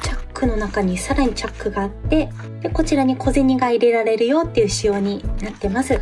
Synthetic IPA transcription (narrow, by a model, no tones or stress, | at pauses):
t͡ɕakːɯ̟no̞nakaɲ̟isaɾaɲ̟it͡ɕakːɯ̟ɡaːt̪ːe̞ | d̪̥e̞ko̞t͡ɕiɾaɲ̟ikʰo̞zeɲ̟iɡaiɾe̞ɾaɾe̞ɾɯ̟jo̞ːt̪ːe̞jɯ̟ɕijo̞ːɲ̟inat̪ːe̞masɨ